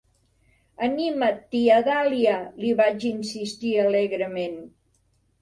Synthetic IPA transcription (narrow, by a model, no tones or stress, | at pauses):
ənimət̪ːiəðalialiβad͡ʒinsist̪iəleɣɾəmen